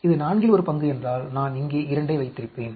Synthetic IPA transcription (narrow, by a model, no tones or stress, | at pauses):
ɪðɯnaːɳɡɪlɔɾɯpɐŋɡɯɛndraːlnaːnɪŋɡeːʔɪɾɐɳɖɐːʋɐɪt̪ːɪɾɪpːeːn